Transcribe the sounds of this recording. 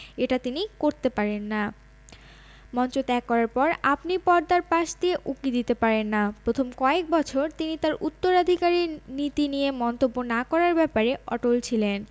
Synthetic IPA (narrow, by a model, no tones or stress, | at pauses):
eʈat̪inikoɾt̪epaɾenːa | mɔnt͡ɕot̪ɛkːɔɾaɾpɔɾapnipɔɾd̪aɾpaʃd̪ieʔukid̪it̪epaɾenːapɾot̪ʰomkɔek̚bɔt͡ɕʰoɾt̪init̪aɾut̪ːoɾad̪ʱikaɾiɾnit̪inijemɔnt̪obːonakɔɾaɾbɛpaɾeɔ̰ʈolt͡ɕʰilen